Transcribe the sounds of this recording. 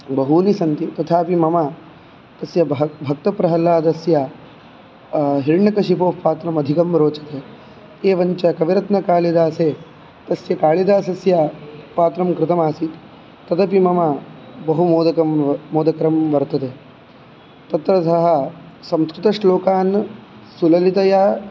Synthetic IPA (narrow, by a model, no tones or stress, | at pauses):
bɐɦunisɐnt̪it̪ɐt̪ʰaːpimɐma | t̪ɐsjɐbʱɐk̚t̪ɐpɾɐɦɐlaːd̪ɐsjɐ | ɦiɾɳɐkɐʃipoːpaːt̪ɾɐmɐd̪ʱikɐmɾoːt͡ʃɐt̪eː | eːʋɐɲt͡ʃɐkɐʋiɾɐt̪nɐkaːɭid̪aːseː | t̪ɐsjɐkaːɭid̪aːsɐsjɐpaːt̪ɾɐmkɾɪt̪ɐmaːsit̪ | t̪ːɐd̪ɐpimɐmabɐɦumoːd̪ɐkɐmmoːd̪ɐkɾɐmʋɐɾt̪ɐt̪eː | t̪ɐt̪ɾɐsɐɦɐ | sɐmskɾɪt̪ɐʂʈloːkaːn | sulɐlit̪ɐjaː